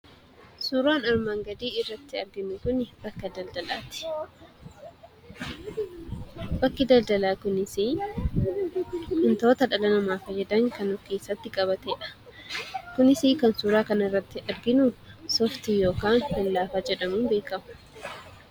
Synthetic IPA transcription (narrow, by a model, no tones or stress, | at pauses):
suːɾaːnɐɾmaːŋɡɐd̪iːɪrːɐt̪ːɪɐɾɡɪnʊkʊnɪb̥ɐkːɐd̪ɐld̪ɐla̰ːt̪ɪ̥ | bɐkːɪd̪ɐld̪ɐlaːkʊnɪsi | kʊnt̪o̞ːt̪ɐᶑɐlɐnɐmaːfɐjːɛd̪ɐŋkɐnɔfke̞ːsːɐt̪ːɪkʼɐβɐt̪eːᶑɐ̥ | kʊnɪsiːkɐnsuːɾaːkɐnɪrːɐt̪ːɪʔɐɾɡɪnʊsɔft̪ijo̞ːkaːŋkɐnlaːfaːd͡ʒɛᶑɐmuːnbe̞ːkɐmʊ̥